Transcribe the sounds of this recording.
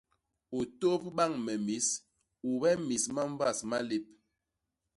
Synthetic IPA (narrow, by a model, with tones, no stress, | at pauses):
o˨to˦pba˦˨ŋmɛ˨mi˨˦s | u˨bɛ˦mi˨sma˦ɱ˦va˦˨sma˦le˦p̚